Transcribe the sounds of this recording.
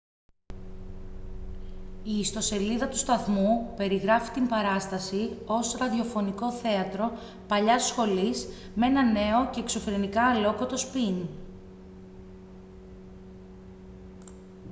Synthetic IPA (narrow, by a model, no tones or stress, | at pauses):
iːst̪o̞se̞liðɐt̪u̥st̪ɐθmupe̞ɾiɣɾɐfi̥t̪imbɐɾɐst̪ɐsio̞sɾɐðio̞fo̞niko̞θe̞ɐt̪ɾo̞ | pɐʎɐsxo̞lis | mee̞nɐne̞o̞ce̞ːkso̞fɾenikɐːlo̞kot̪o̞spin